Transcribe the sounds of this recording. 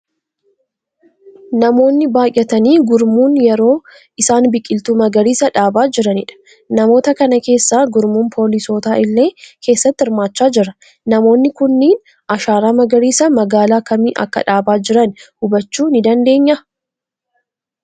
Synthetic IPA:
nɐmo̞ːnːɪbaːjʔɛt̪ɐniːɡʊɾmuːnjɛɾo̞ː | ʔɪsaːnbɪkʼɪlt̪uːmɐɡɐɾiːsɐᶑaːbaːd͡ʒɪɾɐnɪᶑɐ̥ | nɐmo̞ːt̪ɐkɐnɐke̞ːsːaːɡʊɾmuːnpʰo̞ːlɪso̞ːt̪aːʔɪlːe̞ːkʰe̞ːsːɐt̪ːɪɪɾmaːt͡ʃːaːd͡ʒɪɾɐ | nɐmo̞ːnːɪkʊnːiːn | ʔɐʃaːɾaːmɐɡɐɾiːsɐmɐɡaːlaːkɐmiːʔɐ̰kːɐ̰ᶑaːbaːd͡ʒɪɾɐnhʊbɐt͡ʃːuːnɪd̪ɐnd̪e̞ːɲːɐ

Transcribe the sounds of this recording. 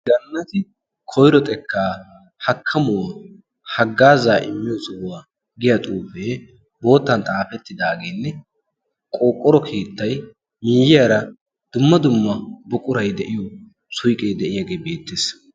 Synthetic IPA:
ɡɐnːɐt̪ɪ | kʰɔjɾɔt̪ʼɛkʰːaː | hɐkʰːɐmʊwa | hɐɡːaːzaːʔɪmːɪjɔsɔwʊwaː | ɡɪjɐt̪ʼuːfeː | bo̞ːt̪ːɐnt̪ʼaːfɛt̪ːɪd̪aːɡeːnːɛ | kʼoːkʼːɔɾɔkʰeːt̪ːɐj | miːjɪjaɾɐ | d̪̥ʊmːɐd̪ʊmːɐbɔkʼʊɾɐjd̪ɛʔɪjɔ | sʊjkʼeːd̪ɛʔɪjaɡe̞ːbe̞ːt̪ːeːs

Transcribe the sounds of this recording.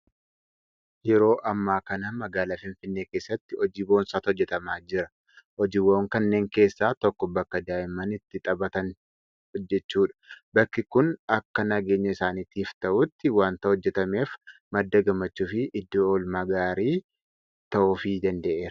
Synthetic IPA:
jɛɾo̞ːʔɐmːaːkɐnɐmɐɡaːlaːfɪnfɪnːe̞ːke̞ːsːɐt̪ːɪɔd͡ʒiːboːnsaːt̪ɔd͡ʒːɛt̪ɐmaːd͡ʒɪɾɐ | ɔd͡ʒɪboːŋkɐnːe̞ːŋke̞ːsːaːt̪ɔkːɔbɐkːɐd̪aːjɪmɐnɪt̪ːɪt̪ʼɐbɐt̪ɐn | ɔd͡ʒːɛt͡ʃːuːᶑɐ̥bɐkːɪkʊnɐkːɐnɐɡe̞ːɲːɐɪsaːnit̪iːft̪ɐʔʊt̪ːɪwaːnt̪ɐhɔd͡ʒːɛt̪ɐme̞ːf | mɐd̪ːɐɡɐmːɐt͡ʃːuːfɪʔɪd̪ːoːlmaːɡaːɾiː | t̪ɐʔufiːd̪ɐnd̪ɐʔeːɾɐ

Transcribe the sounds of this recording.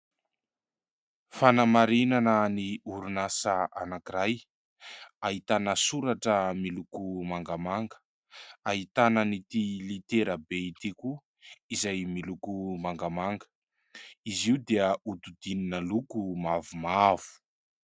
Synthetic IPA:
fanamaɾinanəniuɾunasaʔanakiɾaj | aɦit̪anəsuɾaʈ͡ʂəmilukumaŋɡamaŋɡə̥ | aɦit̪anənit̪ilit̪eɾəbeit̪iku | izajmilukumaŋɡamaŋɡə̥ | iziud̪eəut̪ud̪ininəlukumavumav̥u̥

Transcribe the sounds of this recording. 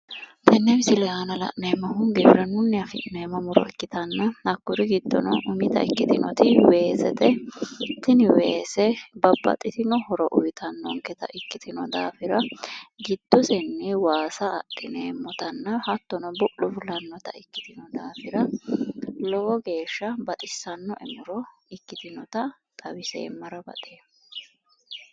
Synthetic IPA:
t̪ʰɛnːɛmsɪlɛanɐlɐ̰ʔneːmːɐhʊŋɡɪbɾɐnʊnːɛɐfɪ̰neːmːɐmʊɾɔ̰ɛkːɪt̪ɐnːɐɐkːʊɾɪɡɪd̪ːɔ̰nɔʔʊmɪt̪ɐ̰ɪ̰kːɪt̪ɪnɔ̰t̪ɪwe̞ːsɛ̰t̪ɛt̪ːɪnɪweːsɛbɐbːɐ̰t̪ʼɪt̪ɪnɔhɔɾɔʔʊ̰jɪt̪ʰɐnːɔ̰ŋkɛt̪ɐ̰ʔɪkːɪt̪ʰɪnɔd̪a̰ːfɪɾɐɡɪd̪̥ːɔsɛnːɪwaːsɐːʔɪneːmːɔt̪ɐnːɐhɐt̪ːɔnɔbʊʔʊfʊlɐnːɔt̪ɐ̰ɪkːɪ̥t̪ɪnɔd̪aːfɪɾɐ | lɔɡɔɡe̞ːʃːɐbɐt̪ʼɪsːɐnːɔʔɛmʊɾɔɪkːɪt̪ɪnɔt̪ɐ | t̪ʼɐbɪsḛːmːɐɾɐbɐ̰t̪ʼeː

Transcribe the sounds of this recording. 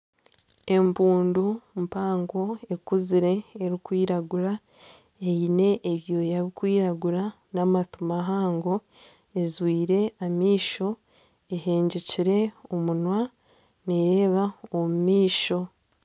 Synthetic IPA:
e̞mbuːndumpaːŋɡo̞e̞kuziɾe̞ːɾikwiːɾaɡuɾa | ejine̞ʔːβjo̞jaβikwiːɾaɡuɾa | namatumaɦaːŋɡo̞ | ezwiːɾe̞amiːʃo̞ | eɦeːɲɟeciɾe̞omunwa | neɾeːβaomumiːʃo̞

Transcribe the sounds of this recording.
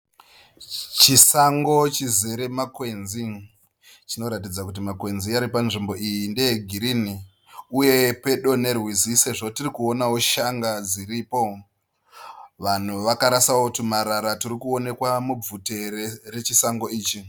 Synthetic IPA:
t͡ʃisaŋɡo̞t͡ʃizeɾe̞makwe̞nzi | t͡ʃino̞ɾatid͡zakut̬imakwe̞nziaɾipanʐimbo̞ʔijindeeɡʱiɾini | uje̞pe̞ɗo̞ne̞rwiziseʐotirikuo̞nawo̞ʃaŋɡad͡ziripo̞ | ʋan̤uʋakaɾasawotumaɾaɾatirikuo̞ne̞kwamub͡vute̞rere̞t͡ʃisaŋɡo̞iːt͡ʃi

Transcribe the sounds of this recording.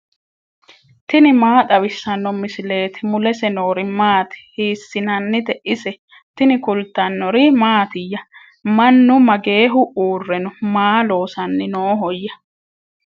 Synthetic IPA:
t̪ɪnɪmaːt̪ʼɐwɪsːɐnːɔmɪsɪle̞ːt̪ɪmʊlɛsɛnoːɾɪmaːt̪ɪ̥hiːsːɪnɐnːɪd̪ɛʔɪsɛ | t̪ɪnɪkʊlt̪ːɐnːɔɾɪmaːt̪ɪjːɐ | mɐnːʊmɐɡe̞ːɦʊʔuːrːɛnʊmaːlo̞ːsɐnːɪnoːɦɔjːɐ

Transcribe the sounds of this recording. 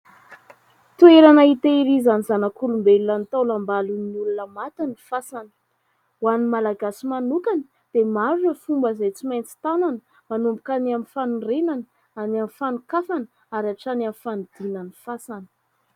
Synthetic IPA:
t̪ueɾanait̪eiɾizanizanakulumbelulanit̪alambalunulunəmat̪anifasanə̥ | wanimalaɡasimanukanə | d̪̥emaɾuʈ͡ʂəfumbəzejt͡simajnt͡si̥t̪ananə | manumbukanamifanurenanə | anamfanukafanə | aɾaʈ͡ʂanamifand̪̥inanifasanə̥

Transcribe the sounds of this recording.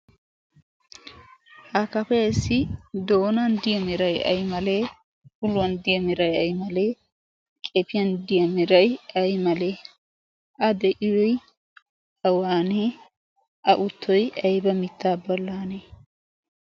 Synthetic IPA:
hakɐpɛjɪsːɪd̪oːnɐnd̪ɪjɐmɪɾɐjɐ̰jmɐleː | ʊlːʊwɐnd̪ɪjɐmɪɾɐjɐjmɐleː | kʼɛpɪjɐnd̪ɪjɐmɪɾɐjɐjmɐleː | ʔɐd̪ɛʔɪjɔj | ɐwaːneː | ʔɐʔʊt̪ʰːɔjɐjbɐmɪt̪ːaːbɔlːaːne

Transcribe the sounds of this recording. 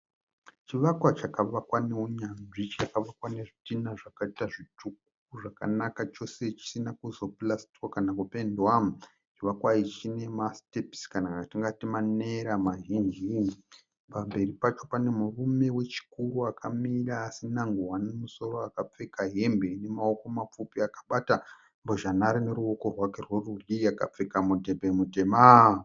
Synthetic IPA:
t͡ʃiʋakwat͡ʃakaʋakwaneuɲanʐit͡ʃakaʋakwane̞ʐitinaʐakaitaʐituk̚ | uʐaka̰nakat͡ʃo̞se̞t͡ʃi̥sinakuzo̞plasti̥kwakanakupendwam | t͡ʃiʋakwait͡ʃine̞mastepskanaktiŋɡatimane̞ɾamaʒind͡ʒi | pambe̞ripat͡ʃo̞pane̞murume̞we̞t͡ʃi̥kuɾuakʰamiraːsinaŋɡuwanemuso̞ɾoakap͡fe̞kaɦe̞mbe̞ine̞mao̞ko̞map͡fupiakḁɓata | mboʒanaɾine̞ɾuo̞ko̞rwake̞rwerurijaka̰p͡fe̞kamutebemute̞ma

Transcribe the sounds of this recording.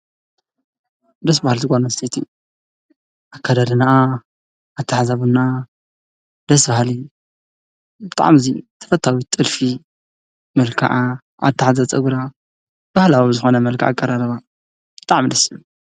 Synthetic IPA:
d̪ɐs̬bahalt̪ɨɡʷanɐst̪ʰet̪ʰi | ʔakʰːad̪alɨnaː | t̪ʰːaħazaβunːa | d̪ɐsbahli | bɨt̪ʼa̰ʕmɨzit̪ʰɐ̥fɐt̪ʰawit̪ʼɨlfi | mɐlkʰa̰ʕa | a̰t̪ʰːaħzat͡sʼɐɡuɾa | b̥ahlawizɨxonɐmɐlkʰa̰ʔa̰kʼːɐɾaɾɐβa | b̥ɨt̪ʼaʕmid̪ɐsiju

